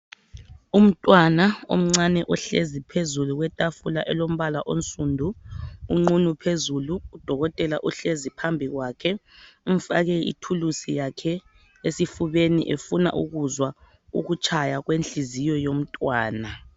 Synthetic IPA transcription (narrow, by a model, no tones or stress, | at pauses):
um̩tʼwanao̰m̩ŋ͡ǀanɛʔɔɬezipʰezuluɣwɛtʼafulaʔɛlom̩βalaʔont͡sʼundʱuːŋ͡ǃunupʰezuluːd̥ʱɔɣɔtʼɛlaʔuɬezipʰambʱiɣwakʰɛ | uɱ̩faɣɛḭtʰulusijakʰɛ | esifuβenḭʔefuna̰ʔṵɣuzwa | ṵɣut͡ʃʰʼajaɣwent͡ɬizijɔjom̩tʼwaːna